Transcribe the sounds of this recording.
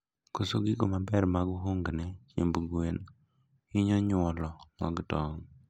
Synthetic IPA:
kosoɡɪɡomabɛrmaɡoɦoŋɡnɛt͡ʃḛmbuɡen | ɪɲɔɲʊɔlɔŋɔɡɪtɔŋ

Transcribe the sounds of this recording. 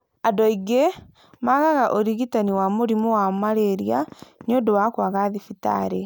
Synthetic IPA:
adɔiɡe | maɣaɣaʔoɾiɣitaniwamoɾimowamaɾeɾjaniondowakwaɣaðifita̰ɾe

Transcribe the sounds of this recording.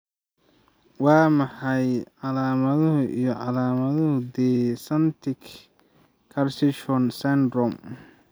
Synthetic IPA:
wɑːmɑħɑjʕɑlaːmɐðɐɦʊʔijɞʕɑlaːmɐðɐɦʊd̪ɛsɐnt̪ʰɪkʰ | kʰːɐrsɪʃɔnsɛnd̪rɔm

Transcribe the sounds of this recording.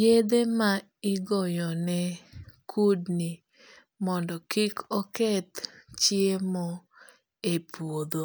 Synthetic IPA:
ed̪ema | ɪɡɔjɔnɛkʰudni | mɔndɔkikɔkɛt̪t͡ʃiemɔ | epuod̪o

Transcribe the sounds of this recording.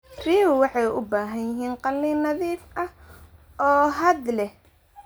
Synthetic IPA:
riːwwɑħɑjʊbaːɦɐjjɪɦiːnqɑlːiːnɐðiːfʔɐh | ɔːɦɐd̪lɛh

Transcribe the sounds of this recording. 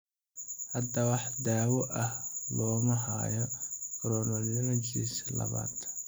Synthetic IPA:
hɐd̪ɐwɑħd̪aːwɔʔɐhlɔːmɐɦa̰ːjɔkɾɔnɔlɪmɐt͡ʃḭːslɐ̰βa̰ːd̪

